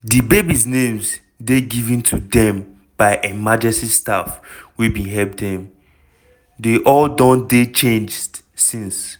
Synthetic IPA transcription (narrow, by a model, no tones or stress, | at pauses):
dibebisnẽmz | deɡivɛ̃ntʰudɛ̃m | b̥aɪʔɛmad͡ʒɛstistafwibĩnɦɛlp̚dɛ̃m | deʔɔldɔ̃ndet͡ʃẽnd͡ʒ | sĩns